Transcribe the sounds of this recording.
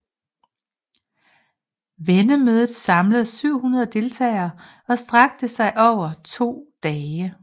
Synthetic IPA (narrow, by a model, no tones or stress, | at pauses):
ʋenəmøːð̞ˠð̞̩ˠsɑ̈mləð̩ˠsyʊ̰hunɐð̞ˠd̥e̝lt͡sʰɛ̰ːɪɐː | ɒ̽sd̥ʁɑ̈ɡ̥̚d̥əsɑ̈ɪʔɒʊɐt͡sʰo̝̰ːd̥ɛːɪə